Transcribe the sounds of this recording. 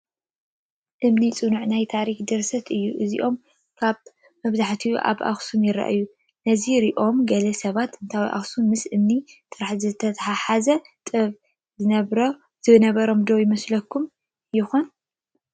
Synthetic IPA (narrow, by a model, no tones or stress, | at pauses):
ʔɨmnit͡sʼɨnuʕnajt̪ʰaɾikd̪ɨɾsɐt̪ʰɨjːuʔɨzḭʔo̞m | kʰaβ | mɐβzaħt̪ʰiʔa̰βʔa̰xsumjɪɾa̰ʔɨjːu | nɐziɾiʔo̞mɡɐlɐsɐβat̪ɨnt̪ʰawiʔa̰xsunmɨsʔɨmnit̪ʼɨɾaħzɨt̪ʰɐt̪ʰaħaħazɐt̪ʼɨβ | zɨnɐβɾo | z̥ɨβɨnɐβɐɾo̞md̪o̞jɪmɐslɐkʰːum | jɪxon